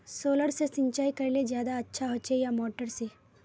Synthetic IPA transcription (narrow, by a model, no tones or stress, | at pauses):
soːləɽsesɪɲt͡ʃaːikɐɾiled͡ʒjaːd̪aɐtːʃʰaɦot͡ʃejamɔːʈəɾse